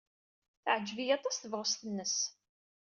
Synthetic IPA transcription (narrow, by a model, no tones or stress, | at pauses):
θʕəd͡ʒːvijɑt̪ˤɑsθəvʁəst̪ənːəs